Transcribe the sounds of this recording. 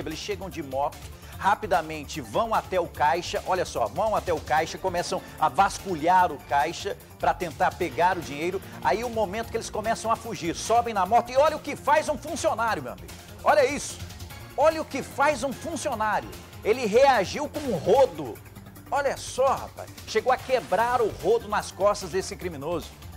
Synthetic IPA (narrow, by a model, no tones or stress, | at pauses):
belɪsʃeɡɐ̃w̃d͡ʒɪmɔɾt̪ʊ̥ | hapid̪ɐmẽnt͡ʃɪvɐ̃w̃at̪ɛʊkajʃɐʔɔʎɐsɔ̰vɐ̃w̃at̪ɛʊkajʃɐkõmɛsɐ̃w̃ɐvaskuʎaɾʊkajʃɐ | pɾɐt̪ẽnt̪aɾpeɡaɾʊd͡ʒĩɲejɾʊ | a̰iʊmomẽnt̪ʊ̥kɪelɪskõmɛsɐ̃w̃ɐfuʒiɾsɔbẽj̃nɐmɔɾt̪ɐɪɔʎɐʊkɪfajzũfũsionaɾjʊmewa̰mḭɡʊ | ɔʎɐisʊ̥ | ɔʎɐʊkɪfajzũfũsionaɾjʊ̰ | elɪɦeaʒiwkõũɦod̪ʊ | ɔʎɐsɔha̰pa̰jʃeɡowɐkebɾaɾʊhod̪ʊnɐskɔst̪ɐzd̪esɪkɾimĩnozʊ